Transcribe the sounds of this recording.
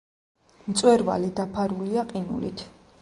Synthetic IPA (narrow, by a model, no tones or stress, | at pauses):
mt̪sʼwɛɾva̰lid̪apʰaɾuliaqʼinṵlḭt̪ʰ